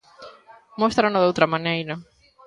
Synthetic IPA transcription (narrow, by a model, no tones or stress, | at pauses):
most̪ɾanɐðowt̪ɾɐmanejɾɐ